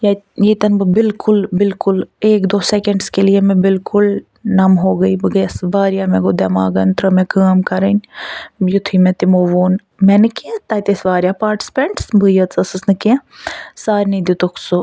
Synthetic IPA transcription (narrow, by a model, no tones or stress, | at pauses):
jɐ | jɐt̪ɐnbɨbɪlkʊlbɪlkʊleːkd̪oːsekɐɳɖskelijemẽbɪlkʊl | nɐmɦoːɡɐibɨɡɐsʋaːɾjaːmẽɡod̪ema̰ːɡɐnt̪ɾɐmẽkaːmkɐɾɐnʲjut̪ʰimẽt̪imoːʋoːn | mɛnɨket̪aːt̪esʋaːɾjapaːɾʈɪ̥si̥peɳʈsbʱɨjɐt͡sɐsɨsnɨkẽsaːɾnid̪it̪okso